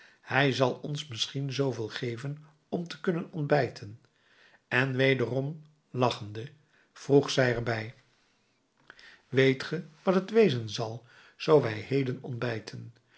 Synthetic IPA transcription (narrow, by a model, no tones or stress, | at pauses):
hɛjzɑlˠɔnsmɪsχinzowvɪːlˠχejvən | ɔmtə̥kɵnənɔnbɛjtʰən | ɛnʋejdərɔm | lɑχəndə | v̥ruχsɛjɛɹbɛj | ʋejtχəʋɑtɦətʋejzənzɑlˠ | z̥owʋɛjɦejdənɔ̰ndbɛjtʰən